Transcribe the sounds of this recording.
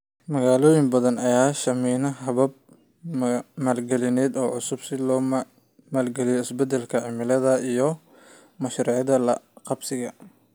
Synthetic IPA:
mɐɣaːlɔːjɪmbɐðɐnɐjaːʃɐmiːnɐɦɐβɐb̚ | maːlɡɛlɪnɛːd̪ɔːʕʊsʊbsɪlɔː | maːlɡɛlɪjɔɪsbɛd̪ɛlkʰɐʕɪmɪlɐðɐijɔ | mɐʃɾiʕɑðɐlɐqɑbsɪɣɐ

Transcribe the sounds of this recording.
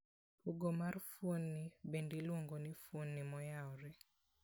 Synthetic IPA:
puɡomarfwonːibendilwoŋɡonifwonːimɔjaɔɾɛ

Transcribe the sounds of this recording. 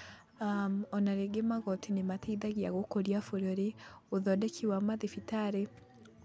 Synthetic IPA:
amɔnaɾeɡemaɣɔtʰinematʰeiðaɣiaɣokoɾjafuɾoɾeuðɔdɛkʰiwamaðifitaɾe

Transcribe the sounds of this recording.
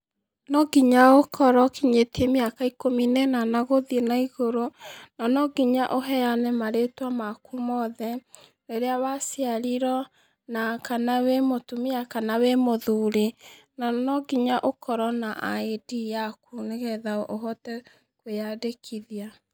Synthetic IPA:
nɔɡiɲaokʰɔɾɔkiɲetiemiakaikominɛnanaɣoðienaiɣoɾonanɔɡiɲaʔoɦɛjanɛmaɾetwamakumɔðɛneɾeawasiaɾiɾɔ | nakanawemotumiakanawemoðuɾe | nanɔɡiɲaʔokɔɾɔnaʔa̰edijakuneɣɛðaʔoɦɔtɛ | kwejadekʰiðia

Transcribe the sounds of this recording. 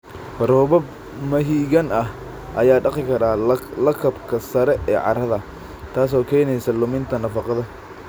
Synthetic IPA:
fɾɔːβɐb | mɐɦiːɣɐnɐh | ʔɐjaːɖɑqɪkʰɐɾaːlɐkʰɐbkʰɐsɐɾɛʔɛːʕɑ̰ɾɐðɐ | t̪ʰaːs̬ɔːkʰɛːjnɛjsɐlʊmɪnt̪ʰɐnɐfɑqɑðɐ

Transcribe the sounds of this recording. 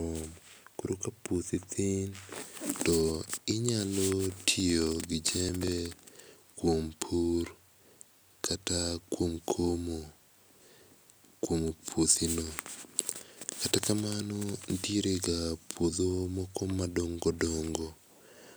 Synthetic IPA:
ɔmkuɾokaput̪it̪iɪntɔɪɲalotʰioɡɪd͡ʒɛmbɛ | kwompʰur | kʰatakwomkʰomo | kwomopʰot̪ino | katakamanɔndiɾeɡapʰwod̪omɔkɔmadoŋɡɔdoŋɡo

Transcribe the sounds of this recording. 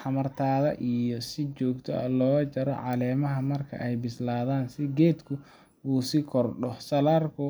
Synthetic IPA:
ħɑmɐrt̪ʰaːðɐ̰ʔijɔsɪt͡ʃɔːɡt̪ʰɔ̰ɐ̰lɔːt͡ʃɐɾɔ̰ʕɑlɛːmɐɦɐmɐrkʰɐ̰ʔɛjbɪslaːðaːnsɪɡɛːd̪kʰʊ | uːsɪkʰɔrɖɔhsɐlaːrkʰʊ

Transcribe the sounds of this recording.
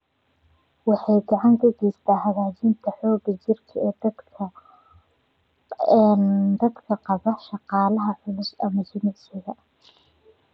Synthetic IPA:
wɑħɑjɡɑʕɑŋkʰɐɡɛjst̪ʰaːhɐɣaːt͡ʃɪnt̪ʰɐħɔːɡɐt͡ʃɪrkʰɐɛːd̪ʰɐ | nd̪ɐd̪kʰɐqɑβɐʃɑqɑːlɐɦɐħʊlʊsɐ̰mɐt͡ʃɪnɪsɪɣɐ

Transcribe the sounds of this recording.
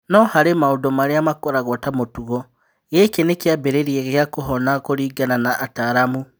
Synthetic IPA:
nɔhaɾemaodomaɾeamakɔɾaɣɔtamotuɣɔ | ɣekenekjabeɾeɾieɣeakoɦɔnakoɾiːɡananaʔːtaːɾamu

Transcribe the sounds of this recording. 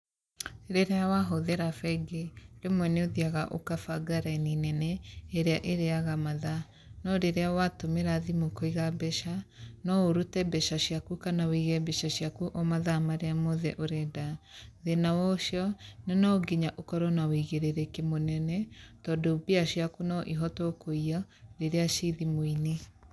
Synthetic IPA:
ɾeɾeawaɦoðɛɾafɛɡeɾemwɛneoðiaɣaʔo̰kafaɡaɾaininɛnɛːɾeaʔeɾeaɣamaða | nɔɾeɾeawatomeɾaðimokoiɣabɛʃanɔoɾutɛbɛʃaʃjakukanawiɣɛbɛʃaʃjakuʔɔmaðamaɾeamoðɛʔoɾɛdaðenawɔʃjɔnenɔɡiɲaʔokɔɾɔnawiɣeɾeɾekemonɛnɛtɔdobiaʃjakunɔʔiɦɔtɔkoiɔɾeɾeaʃiðimoine

